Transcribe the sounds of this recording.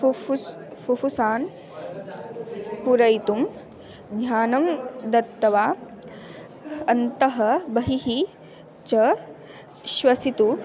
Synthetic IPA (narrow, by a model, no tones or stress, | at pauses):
u | fufusaːn | puɾɐjt̪um | ɡ̪ɲaːnɐmd̪ɐt̪ːɐʋaː | ɐnt̪ɐɦɐbɐɦiɦi | t͡ʃɐ | ʃʋɐsit̪u